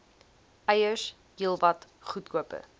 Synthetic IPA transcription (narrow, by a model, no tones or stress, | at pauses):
ʔɐjəʃ | ɡilˠvɐt | χutkuəpə̰